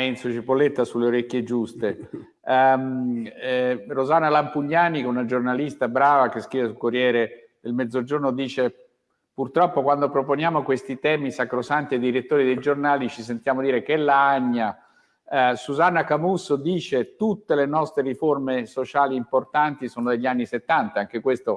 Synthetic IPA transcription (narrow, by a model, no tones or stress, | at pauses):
ɛnsot͡ʃipolːet̪ːasulːeoɾekːjed͡ʒust̪e | rozanːalampuɲːaːnikɛunad͡ʒornalist̪abɾaːvakeskɾivesulkorjɛːɾe | d̪elmɛd̪zod͡ʒornod̪iːt͡ʃe | purt̪ɾɔpːokwand̪opɾoponjaːmokwest̪it̪ɛːmisakɾosant̪ied̪ːiɾet̪ːoːɾid̪ejd͡ʒornaːlit͡ʃisent̪jaːmod̪iːɾek̟ɛlːaaɲːa | suzanːakamusod̪iːt͡ʃet̪ut̪ːelenɔst̪ɾeriformesot͡ʃaːliːmport̪ant̪isoːnod̪eʎːianːiset̪ːant̪aaŋk̟ekwest̪o